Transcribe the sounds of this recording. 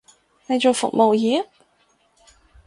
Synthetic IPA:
ne˧t͡ɕo˨wfʊ̰˨˩k̚mo˨˩wji˧˥

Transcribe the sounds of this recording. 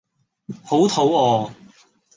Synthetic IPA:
ho˨˥wt̪ʰo˨˥wɔː˨˧

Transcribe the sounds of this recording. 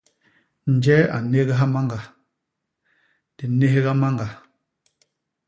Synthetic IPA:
n̩˨d͡ʒɛ˦a̰˨ne˦ɣɛ˦ɦa˦ma˦ŋɡa˨ | d̥i˨ne˦ɦe˦ɣa˦ma˦ŋɡa˨

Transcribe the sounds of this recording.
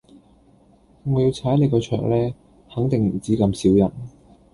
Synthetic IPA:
ŋɔː˨˧ji˧wt͡sʰaː˨˥jn˨˧jkɔː˧t͡ʃʰœ̰ː˨˩k̚lɛː˥ | hɐ˨˥ŋt̪ɪ˨ŋm̩˨˩t͡siː˨˥kɐ˧msiː˨˥wjɐ˨˩n

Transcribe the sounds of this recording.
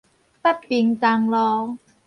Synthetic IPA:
pa˥˩t̚pi˧ŋt̪a˧ŋlɔː˧

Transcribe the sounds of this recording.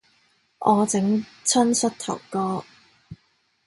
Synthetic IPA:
ʔɔː˨˧t͡sɪ˨˥ŋt͡sʰɐ˥nsɐ˥t̚t̪ʰɐ̰˨˩wkɔː˥

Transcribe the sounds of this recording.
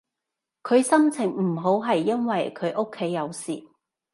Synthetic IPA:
kʰɵ˨˧ɥsɐ˥mt͡sʰɪ˨˩ŋm̩˨˩ɦo˨˥wɦɐ˨jːɐ˥nwɐ˨jkʰɵ˨˧ɥʔo˥kʰːe˨˥jːɐ˨˧wsiː˨˩

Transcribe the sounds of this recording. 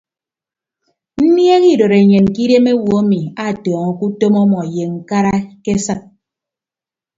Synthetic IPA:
n̩˦nje˦ɣi˦˨do˨ɾe˨ɲe˨n˨ki˦de˦me˦wo˦mi˨a˨tɔː˨ŋɔ˨ku˦to˦mɔ˦mɔ˨je˨ŋ̩˦ka˦ɾa˦ke˦sɨ˦k̚

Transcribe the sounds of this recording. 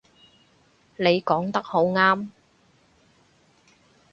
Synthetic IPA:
ne˨˧jkɔː˨˥ŋt̪ɐ˥k̚ho˨˥wŋaː˥m

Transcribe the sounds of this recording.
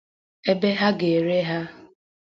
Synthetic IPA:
e˦be˦ɦa˦ɡe˨ɾe˦ɦa˦

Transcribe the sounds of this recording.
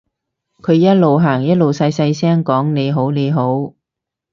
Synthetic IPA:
kʰɵ˨˧ɥjɐ˥t̚lo˨wɦaː˨˩ŋjɐ˥t̚lo˨wsɐ˧jsɐ˧jsɛː˥ŋkɔː˨˥ŋne˨˧jɦo˨˥wne˨˧jɦo˨˥w

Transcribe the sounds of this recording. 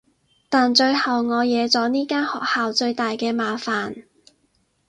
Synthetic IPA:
t̪aː˨nt͡ʃɵ˧ɥhɐ˨wŋɔː˨˧jɛː˨˧t͡sɔː˨˥niː˥kaː˥nhɔ̰ː˨k̚haː˨wt͡sɵ˧ɥt̪aː˨jkɛː˧maː˨˧faː˨n

